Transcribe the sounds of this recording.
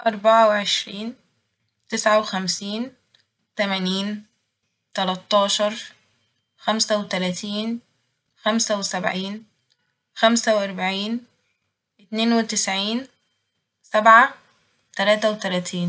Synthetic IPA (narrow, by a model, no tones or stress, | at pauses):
ʔɑɾˤbaʕawɪʕeʃɾiːn | t̪ɪsʕawɪxæmsiːn | t̪æmæniːn | t̪ælɑt̪ˤːɑːʃɑɾˤ | xæmsæwɪt̪ælæːt̪iːn | xæmsæwɪsæbʕiːn | xæmsæwʔɑɾˤbaʕiːn | ʔɪt̪neːnwɪt̪ɪsʕiːn | sæbʕa | t̪ælæːt̪æwɪt̪ælæːt̪ʰiːn